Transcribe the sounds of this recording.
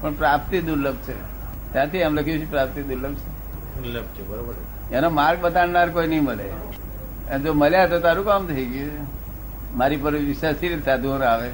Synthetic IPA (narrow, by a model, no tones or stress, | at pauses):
pəɳpɾap̚t̪id̪uɾləb̚t͡ʃʰḛ | t̪jãt̪ʰiamləkʰijũt͡ʃʰepɾap̚t̪id̪uɾləbt͡ʃʰe | əb̚t͡ʃʰebəɾobəɾ | anomaɾɡ̚bət̪aɽnaɾkoinəɦĩməlḛ | ed͡ʒoməljat̪ot̪aɾũkamt̪ʰəiɡu | maɾip̬əɾʋɪʃasiɾesad̪ʱuəɾaʋe